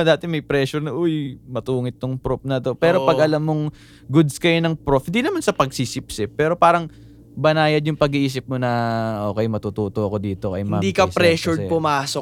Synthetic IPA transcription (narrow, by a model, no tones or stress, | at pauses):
d̪aːt̪ɛmɐjpɾɛːʃʊɾnɐʔʊjmɐt̪uːŋɪt̪̚ːʊŋpɾofnɐt̪o̞pɛːɾopɐɡʔɐlamːoŋ | ɡʊd̪skɐjonɐŋpɾopd̪inɐmansɐpɐɡ̚sisɪpsɪpːɛːɾo̞paːɾɐŋ | bɐnaːjɐd̪jʊŋpɐɡiʔiːs̬ɪp̚monɐʔo̞ːkɛjmɐt̪uːt̪uːt̪oʔɐko̞d̪iːt̪o̞ʔɐ̰jmɐd̪ikɐpɾɛːʃʊɹpʊmaːso